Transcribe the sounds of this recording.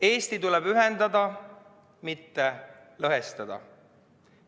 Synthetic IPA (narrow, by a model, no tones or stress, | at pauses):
e̞ːst̪it̪ulɛb̥yɦend̪̥ɑd̪ɑ | mit̪ːe̞ | lɤɦest̪ɑd̪̥ɑ̰